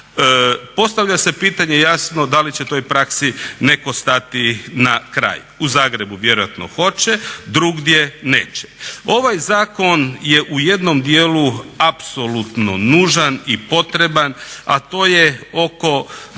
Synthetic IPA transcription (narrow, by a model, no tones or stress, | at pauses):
po̞st̪aʋʎʲase̞piːt̪aɲejasno̞d̪alit͡ɕet̪o̞jpɾaksine̞ko̞st̪at̪inakɾa̰ːj | uzaːɡɾe̞buʋje̞ɾojat̪no̞̰xo̞t͡ɕed̪ɾuɡd̪je̞neːt͡ɕe̥o̞ʋajzaːko̞njeʔuje̞d̪no̞md̪jeːluapso̞lut̪no̞nuːʒanipo̞t̪ɾe̞bana̰t̪o̞ːjeo̞ko̞